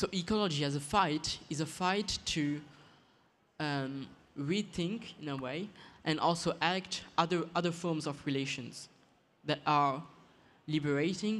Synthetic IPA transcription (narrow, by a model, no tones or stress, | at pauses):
soʊʔikɔlɔd͡ʒiæzəfaɪtizəfaɪtʰːu | ʌm | ɹiθɪ̃ŋkɪ̃nəweɪʔɨ̃nʔɔ̰lˠsoʔæktʔʌðə˞ʔʌðə˞fɔɹmzɔvɹileɪʃɔ̃nz̥ | ðæta˞ | libəɹeɪtɪ̃ŋ